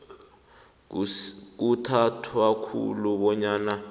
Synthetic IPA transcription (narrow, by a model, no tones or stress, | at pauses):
k̬utʰatʰwakʰṵluɓɔɲaːna